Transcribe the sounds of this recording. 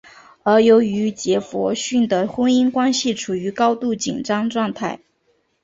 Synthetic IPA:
ə˞˧˥jo˧˥ʊy˧˥t͡ɕjɛ˧˥fwɔ̰˧˥ɕy˥˩nd̪ə˩xwə˥ŋi˥ŋkwa˥nɕi˨˩ʈ͡ʂʰu˨˩y˧˥kɑ˥ʊt̪u˥˩t͡ɕi˨˩nʈ͡ʂɑ˥ŋʈ͡ʂwɑ˥˧ŋt̪ʰa˥˩ɪ

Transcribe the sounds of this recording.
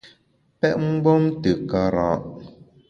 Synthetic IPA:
pɛ˦ʔŋ̩˦ɡ͡bɔ˦mtə˨ka˨ɾã̰˨ʔ

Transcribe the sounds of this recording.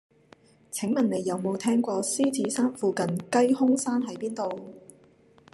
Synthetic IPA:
t͡sʰɪ˨˥ŋmɐ˨˩nːe˨˩jːɐ˨wmo˨˧wt̪ʰɛː˥ŋkʷɔː˧siː˥t͡sʰiː˨˥saː˥nfuː˨˧kɐ˨˧nkɐ˥jhʊ˥ŋsaː˥nɦɐ˨˥jpiː˥nt̪o˨w

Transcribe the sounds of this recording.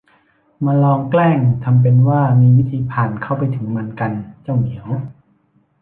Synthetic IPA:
maː˧lɔː˧ŋklɛː˥˩ŋt̪ʰa˧mp̬e˧nwaː˥˩miː˧wi˦˥t̪ʰiː˧pʰaː˨˩nkʰa˥˩wpa˧jt̪ʰɯ˩˦ŋma˧˥nka˧nt͡ɕa˥˩wmi˨˩˦əw

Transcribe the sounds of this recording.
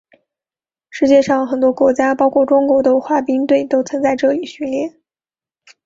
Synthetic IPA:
ʂɻ̩˥˧t͡ɕjɛ˥˧ʂɑ˥˩ŋxə˨˩nt̪wɔ˥kwɔ˧˥t͡ɕja˥pɑ˥ʊkʰwɔ˥˩ʈ͡ʂʊ˥ŋkwɔ˧˥d̪ə˧xwa˥˩pi˥ŋt̪we˥˩ɪt̪o˥ʊt͡sʰə˧˥nt͡sa˥˧ɪʈ͡ʂɤ˥˩li˨˩˦ɕy˧˥nljɛ˥˩

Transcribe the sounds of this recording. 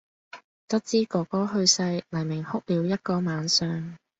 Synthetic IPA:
t̪ɐ˥t̚t͡siː˥kɔː˨˧kɔː˥ɦɵ˧ɥsɐ˧jlɐ˨˩jmɪ˨˩ŋhʊ˥k̚liː˨˧wjɐ˥t̚kɔː˧maː˨˧nsœː˧ŋ

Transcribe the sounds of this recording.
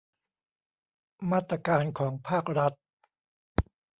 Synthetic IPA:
maː˥˩t̪ɾa˧kaː˧nkʰɔː˩˦ŋpʰaː˥˩k̚ɾa˦˥t̪̚

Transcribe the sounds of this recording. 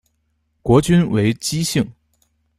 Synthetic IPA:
kwɔ˧˥t͡ɕy˥nwe˧˥ɪt͡ɕi˥ɕi˥˩ŋ

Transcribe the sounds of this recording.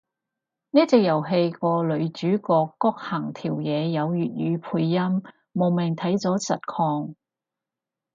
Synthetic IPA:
jɐ˥t̚t͡sɪ˨k̚jɐ˨˩wɦe˧jkɔː˧lɵ˨˧ɥt͡ʃyː˨˥kɔː˧kːɔː˥k̚hɐː˨˩ŋt̪ʰiː˨˩wjɛː˨˧jɐ˨˧wjyː˨˩t̚jyː˨˧pʰuː˧jːɐ˥mː | o˨˩wmɪ˨˩ŋt̪ʰɐ˨˥jt͡sɔː˨˥sɐ˨t̚kʰɔː˧ŋ

